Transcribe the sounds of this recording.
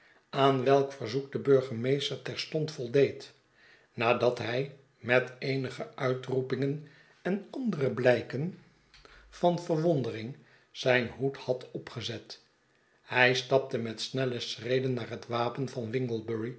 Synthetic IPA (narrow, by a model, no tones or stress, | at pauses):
aːnʋɛlˠkfəɹzuk̚dəbøɹχəmejstəɹtɛɹstɔntfɔlˠdejt | naːdɑtɦɛj | mɛtejnəχəʔœɥtrupɪŋən | ɛnɑndərəblɛjkən | v̥ɑnvəɹʋɔndərɪŋ | z̥ɛjnɦuthɑtɔpχəzɛt | hɛjstɑp̚təmɛtsnɛləsrejdənːaːɹɦətʋaːpənvɑnʋɪŋɡəl̩ˠbəɹi